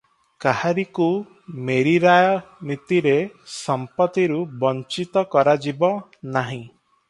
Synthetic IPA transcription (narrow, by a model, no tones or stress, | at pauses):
kahaɾiku | meɾiɾajɔnit̪iɾesɔmpɔt̪iɾubɔnt͡ʃit̪ɔkɔɾad͡ʒibɔnaɦĩ